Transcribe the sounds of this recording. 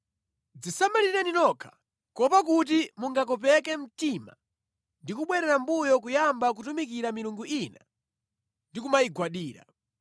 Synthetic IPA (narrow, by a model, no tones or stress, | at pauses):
d͡zisamalinaninɔkʰḁ | kɔpak̬ut̬imuŋɡak̬ɔp̬ɛkɛm̩tima̰ | ndikuɓwɛɾɛɾambujɔkujambak̬utumikiɾamiɾuŋɡuʔina̰ | ndikumaiɡwaɗiːɾa̰